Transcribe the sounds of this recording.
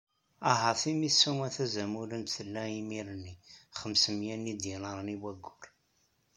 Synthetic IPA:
ɑɦɑθimisːumæθæzæmuɾənt̪θəlːæimiɾənːiχəmsəmjænːid̪jinəɾˤniwæɡːʊɾ

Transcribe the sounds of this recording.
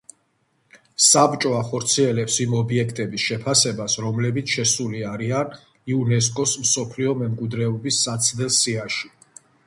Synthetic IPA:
sabt͡ʃʼɔaχɔɾt̪sʰiɛlɛpsimɔbiɛkʰt̪ʼɛbisʃɛpʰasɛbasɾɔmlɛbit̪sʰʃɛsuliaɾian | iunɛs̬kʼɔsmsɔpʰliɔmɛmkʼwid̪ɾɛɔbisːat̪sʰd̪ɛlˠsiaʃi̥

